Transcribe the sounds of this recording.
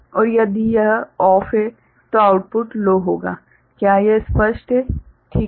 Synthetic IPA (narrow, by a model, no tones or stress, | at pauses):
ɔːɾjɐd̪ijɐɦɔːfɦe | t̪oaʊʈ̚pʊʈloːɦoːɡa̰ː | kjaːjespəʃʈɦɛ | ʈʰiː